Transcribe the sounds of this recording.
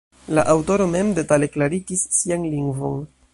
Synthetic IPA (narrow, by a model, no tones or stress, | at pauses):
la̰ʔawto̞ɾo̞me̞mde̞tale̞klaɾikisːianliŋɡvo̞̰n